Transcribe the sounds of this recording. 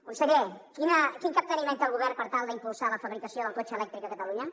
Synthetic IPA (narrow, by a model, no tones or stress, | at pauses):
unsəɣekinəkiŋkəp̚t̪ənimẽnt̪əlˠɣuβ̞ɛrpəɾt̪alˠd̪əimpulˠsaləfəβɾikəsioðəlˠkot͡ʃəlɛk̚t̪ɾik̚əkət̪əluɲə